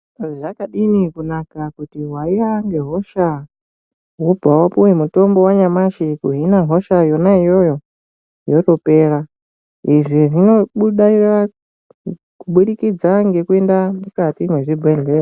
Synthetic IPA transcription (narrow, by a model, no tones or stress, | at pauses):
ʐakaɗinikunakakutiwaiaŋɡe̞ɦo̞ʃa | ɦubʱawapuwemuto̞mbo̞waɲamaʃikuɦinaɦo̞ʃajo̞naijo̞jo̞ | jo̞to̞pe̞ːra | iʐiʐino̞ɓuɗaira | kuɓuɗikid͡zaŋɡe̞kue̞ndamukatimweʐibʱweɮeːra